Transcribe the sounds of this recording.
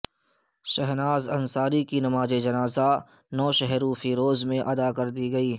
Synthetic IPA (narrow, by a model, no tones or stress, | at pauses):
ʃɛɦnaːzɐ̃nsaːɾikinɐmaːd͡ʒed͡ʒɐnaːza | nɔːʃɛɦɾuːfiɾoːzmẽʔɐd̪akɐɾd̪iɡɐiː